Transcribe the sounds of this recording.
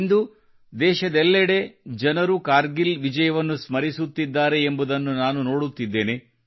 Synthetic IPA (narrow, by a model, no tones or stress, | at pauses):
nd̪u | d̪ɛːʃɐd̪ɛlːɛɽe̞d͡ʒɐnɐɾukaːɾɡilʋid͡ʒɐjɐʋɐnːusmɐɾisut̪ːid̪ːaːɾe̞ːmbud̪ɐnːunaːnuno̞ːɽut̪ːid̪ːe̞ːne̞